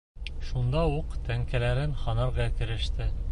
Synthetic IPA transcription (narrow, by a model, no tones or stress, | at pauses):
ʃund̪ɑuqt̪ʰæŋkælæɾɘnχɑnɑɾʁɑækɘ̆ɾɘ̆ʃt̪ɘ